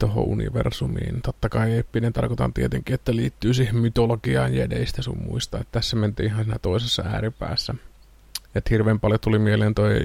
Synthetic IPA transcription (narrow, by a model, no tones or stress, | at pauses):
t̪oho̰ʔunḭʋḛrsumḭːnt̪ot̪ːɑkɑieːpːinent̪ɑ̰rkot̪ɑ̰nt̪iet̪eŋkiet̪ːæliːt̪ːyːsihemmyt̪olokiɑːnjæ̰dḛisi̥t̪æsummṵist̪ɑet̪ːææsːement̪ḭːʔihɑnsiːnæt̪oˑisesːɑæ̰ːripæ̰ːsːæ | et̪hirʋeːmpɑljot̪ulimieleːnt̪oi